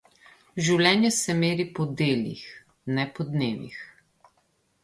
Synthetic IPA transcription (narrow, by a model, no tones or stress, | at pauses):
ʒiwlʲɛːnjɛsɛmeːɾipɔd̪eːlḭx | nɛpɔd̪neːʋḭx